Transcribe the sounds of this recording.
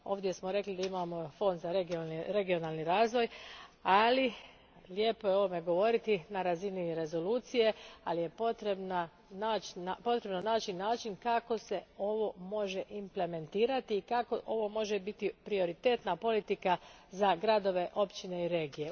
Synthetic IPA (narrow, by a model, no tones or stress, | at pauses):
o̞ːʋd̪je̞smoɾe̞klid̪aimaːmo̞fo̞nd̪zaɾeɡoɾe̞ɡio̞naːlniɾaːzʋo̞jali | ljepo̞jeo̞ʋo̞me̞ɡo̞ʋo̞ɾit̪inaɾaziniɾe̞zo̞luːt̪sije̞alije̞pot̪ɾebna | naːt͡ʃapo̞t̪ɾe̞bno̞naːt͡ʃinaːt͡ʃinkako̞se̞o̞ʋo̞mo̞ʒe̞ʔimple̞me̞nt̪iːɾat̪iːkako̞ʔoʋo̞mo̞ʒebit̪ipɾio̞ɾit̪e̞ːt̪napo̞lit̪ika | zaɡɾad̪o̞ʋe̞ʔo̞pt͡ʃine̞iɾe̞ːɡije̞